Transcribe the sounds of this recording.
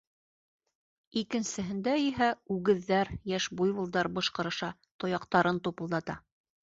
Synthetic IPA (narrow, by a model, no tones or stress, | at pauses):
ikɘ̆nsɘ̆ɦɘ̆nd̪æiɦæʉɡɘ̆ðːæɾjæʃbujβɤ̆lˠd̪ɑɾbɤ̆ʃqɤ̆ɾɤ̆ʃɑ | t̪ŏjɑqt̪ɑɾɤnt̪upɤ̆lˠd̪ɑt̪ɑ